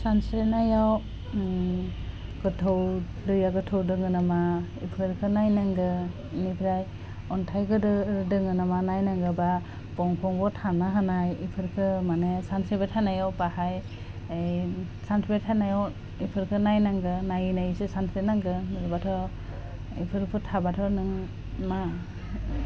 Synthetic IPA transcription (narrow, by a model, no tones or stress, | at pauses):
sansɾenajaw | ɡ̥ɯtʰɯw | lɯjaɡɯtʰɯwdɯŋɯnamaipʰɯɾkʰɯnajnaŋɡɯ | nipʰiɾaj | ɔntʰajɡɯdɯdɯŋɯnamanajnaŋɡɯba | pɔŋpʰɔŋbɔtʰanaɦanajipʰɯɾkʰɯmanesansibetʰanajɔwpahaj | ejsansʰbetʰanajɔw | ipʰɯɾkʰɯnajnaŋɡɯnajinajsɯsantʰbenaŋɡɯɾɯbatʰɔ | ipʰɯɾpʰɯtʰabatʰɔnɯŋ | ma